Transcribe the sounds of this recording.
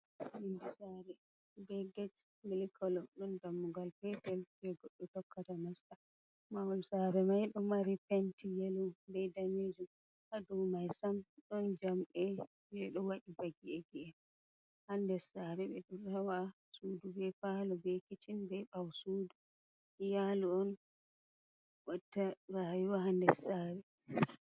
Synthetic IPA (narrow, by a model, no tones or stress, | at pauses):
indisaɾɛ | bɛɡat͡ʃ | milikʰɔlɔɗɔndamːuɡalpɛpɛlbɛɡɔɗːɔtɔkːatamasta | mawɔlsaɾɛmajɗɔmaɾipɛntijelubɛdaned͡ʒu | ʔadɔmajsamɗɔnd͡ʒamɛ | d͡ʒɛɗɔwaɗibaɡiɛɡɛɛ | handɛsaɾɛbɛɗurawa | suːdubɛfalɔbɛkit͡ʃinbɛɓawsuːdu | jaluɔn | watːaɾajuwaɦandɛsaɾɛ